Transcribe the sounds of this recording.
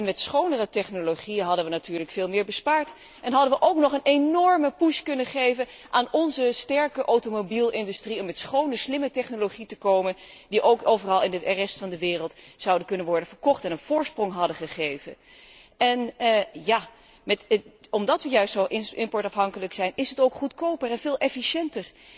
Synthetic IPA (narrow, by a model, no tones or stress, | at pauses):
ɛnmɛtsχownərətɛχnoloχijənɦɑdənʋənatyːɹləkfɪːlˠmɪːɹbəspaːɹt | ʔɛnɦɑdənʋəʔowknɔχənenɔɹməpuskɵnəχejvən | ʔaːnɔnzəstɛɹkəʔowtomobilˠɪndystriɔmɛtsχownəslɪmətɛχnoloχitəkowmən | diʔowkowvərɑlˠɪndəʔɛrɛstfɑndəʋɪːrəlˠtsɑwdənkɵnənʋɔɹdənv̥əɹkɔχtɛnənv̥ʊːɹsprɔŋɦɑdəχəχejvə̰n | ɛnjaː | mɛtɔmdɑtʋəjœɥstsowʔɪɪmpɔɹtɑfɦɑŋkələksɛjnɪsɦətowkχutkowpərɛnvɪːlˠɛfiʃɛntəɹ